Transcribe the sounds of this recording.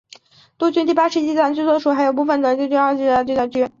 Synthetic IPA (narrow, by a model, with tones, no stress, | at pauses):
t̪u˥t͡ɕy˥nt̪i˥˧˩pa˥ʂɻ̩˥˧t͡ɕi˥˧t͡sa˥˩n˧t͡ɕy˥˧t͡swɔ˥˩ʂu˨˩xa˧˥ɪjo˨˩ʊp̬u˥˧˩fə˧˩nt̪wa˧˥nt͡ɕi˥˧t͡ɕy˥nxɑ˥˧t͡ɕi˥˧˩a˥˧t͡ɕy˥˧t͡s̪a˥˩t͡ɕy˥n